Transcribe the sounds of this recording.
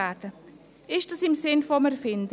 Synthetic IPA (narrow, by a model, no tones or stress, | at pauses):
aːtə | ɪʃtɐsɪmsɪnfɔmɛɾfɪnd